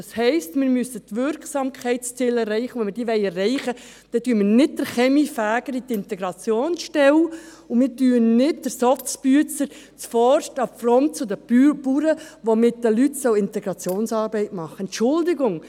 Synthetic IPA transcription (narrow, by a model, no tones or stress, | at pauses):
ɑshɛɪstmɪːɾmysətʋʏɾksɑːmkʰχɛɪtst͡sɪlɛrːɛɪχəʋɛnmɪdiːʋɛɪɛrːɛɪχə | d̥ɛtyːəmɪnɪd̚d̥əɾχɛmifæːɡ̥əɾitɪntɛɡɾɑt͡sjoːnsʃtɛw | ʊmɪːɾtyːənnɪt̚d̥əɾsɔftspyət͡səɾ | t͡sfɔrʃtɑfɾɔnt̚t͡sʊdəpuːɾəʋomɪt̚dəlytsœʊɪntɛɡɾɑt͡sjoːnsɑːɾbɛɪtmɑχːəɛnt͡ʃʊldɪɡʊŋ